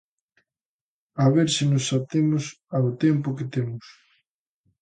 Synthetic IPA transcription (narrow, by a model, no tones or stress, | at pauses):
aβeɾsɪnʊsːat̪emʊs | aot̪ɛmpʊkɪt̪emʊs